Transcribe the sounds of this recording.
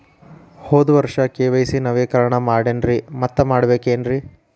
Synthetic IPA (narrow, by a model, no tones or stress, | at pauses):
hoːd̪uʋɐɾʂɐkeːʋɐjsinɐʋeːkɐɾɐɳɐmaːɽenɾimɐt̪ːɐmaːɽɐbeːkeːnɾi